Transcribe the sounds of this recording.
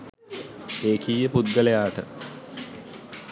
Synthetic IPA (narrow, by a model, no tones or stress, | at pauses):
eːkʰijɐpud̪̚ɡɐlɐjaːʈɐ̰